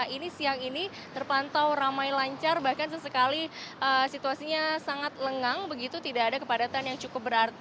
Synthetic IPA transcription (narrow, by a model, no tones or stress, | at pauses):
inisiaŋini | t̪ərpant̪awramajlaɲt͡ʃarbahkansəsəkaliʔəsit̪uasiɲasaŋat̪̚ləŋaŋbəɡit̪ut̪idaːdakəpadat̪anjaŋt͡ʃukʊp̚bəɾart̪